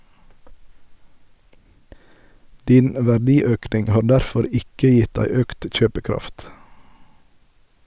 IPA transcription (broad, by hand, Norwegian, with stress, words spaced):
ˈdiːn ʋæˈɖiːˌøːknɪŋ ˈhɑːɾ ˈdæɾˌfɔɾ ˈɪkə ˈjɪt ˈdæɪ ˈøːkt ˈc͡çøːpəˌkɾɑft